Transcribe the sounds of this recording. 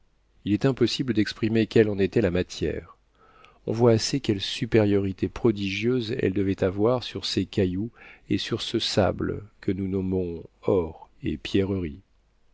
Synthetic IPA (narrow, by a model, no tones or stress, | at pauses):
ilɛt̪ɛ̃pɔsibləd̪ɛkspχimekʲɛlɑ̃net̪ɛlamat̪jɛ̰ʁ | ɔ̰̃vwaːsekʲɛlsypeʁjɔʁit̪epχɔd̪iʒjøzɛ̰ld̪əvɛt̪avwaʁsyʁsekajuḛsyʁsəsa̰blə̰kʰənunɔmɔ̃ɔʁḛpjɛʁəʁi